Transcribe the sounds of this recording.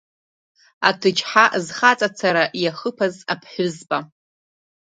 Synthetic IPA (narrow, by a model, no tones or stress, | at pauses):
a̰tʰɨt͡ʃħaʔzχat͡sʼat͡sʰaɾaʔjaχəpʰazapʰħʷᶣʊzbʼa